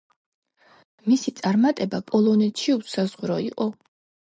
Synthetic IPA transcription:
misit̪sʼaɾmat̪ʼɛbapʼɔlˠɔnɛt̪ʃiusazʁɾɔiqʼɔ

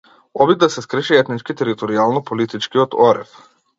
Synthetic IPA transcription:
ɔbid̪̚d̪asɛskɾɛʃɛɛt̪nit͡ʃkit̪ɛɾit̪ɔɾialˠnɔpɔlit̪it͡ʃkiɔt̪ɔɾɛ̰f

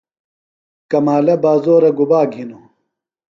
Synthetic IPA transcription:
kɐmaːlɐbaːzoːɾɐɡubaːɡʱino

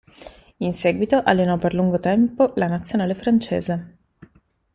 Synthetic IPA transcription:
inseːɡwit̪oʔalːenɔpːerluŋɡot̪ɛmpolanat̪sːjonaːlefɾant͡ʃḛːze

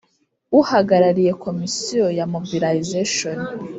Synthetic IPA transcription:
uhaɡaɾaɾije̞kʰo̞misijojamobilaizeʃon

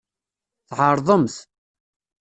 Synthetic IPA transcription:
θʕəɾˤðˤəmθ

